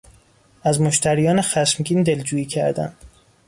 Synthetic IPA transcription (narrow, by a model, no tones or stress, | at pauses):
æzmoʃt̪ʰæɾijɒːnexæʃmɡʲiːnd̪e̞ld͡ʒuːiːcʰæ̰ɾd̪æ̰nd̪